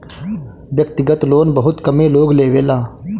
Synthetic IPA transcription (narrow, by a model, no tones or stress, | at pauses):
ʋjəkt̪ɪɡət̪loːnbəɦʊt̪kəmẽːloːɡleːʋeːlaː